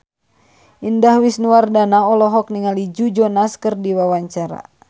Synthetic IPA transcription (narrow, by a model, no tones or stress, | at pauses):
ʔindahwisnuwardanaɔlɔɦɔk̚niŋalid͡ʒud͡ʒɔnaskɨrdiwawaɲt͡ʃaɾa̰